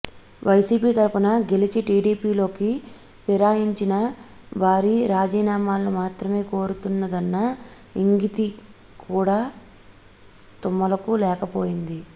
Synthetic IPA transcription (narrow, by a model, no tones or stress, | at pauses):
ʋʔɐjsiːpiːt̪ɐɾpunɐɡe̞lit͡ʃiʈiːɖiːpiːlo̞ːki | piɾaːjiɲt͡ʃinɐ | ʋaːɾiɾaːd͡ʒiːnaːmaːlːomaːt̪ɾɐme̞ːko̞ːɾut̪unːɐd̪ɐnːɐ | iŋɡit̪i | kʰuːɽaː | t̪umːɐlɐkulɛːkɐpoːjind̪i